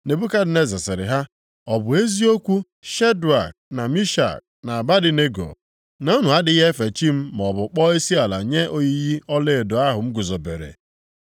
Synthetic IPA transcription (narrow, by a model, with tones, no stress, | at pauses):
ne˨bu˦ka˦dɪ˨ne˦za˨sɪ˨ɾɪ̰˨ɦa˦ | ɔ˨bʊ˨e˦zi˦o˦kʷu˦ | ʃe˦du˨a̰˨k̚na˨mi˦ʃa̰˨k̚na˨a˨ba˦dɪ˨ne˦ɡo̰˨ | na˨u˦nu˨a˦dɪ˨i˦ɦe˦fe˨t͡ʃi˦m̩˦m˨ɔ˨bʊ˨k͡pɔ˦e˦si˦a˨la̰˨ɲe˦ʔo˦ɲi˦ji˦ɔ˦le˦˨dʊ˨a˦ɦʊ˨m̩˦ɡʊ˨zo˨bḛ˨ɾḛ˨